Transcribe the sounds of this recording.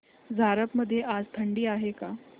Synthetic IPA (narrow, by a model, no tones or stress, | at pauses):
d͡zʱaɾəpməd̪ʱːjeʔad͡zt̪ʰəɳɖiːaɦeka